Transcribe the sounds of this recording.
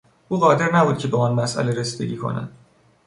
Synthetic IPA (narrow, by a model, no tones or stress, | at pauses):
ʔuːɣɒːd̪e̞ɾnæbuːd̪̥̚cʰe̞beɒːnmæsʔæ̰leɾesiːd̪e̞ɟiːkʰo̰næ̰d̪̥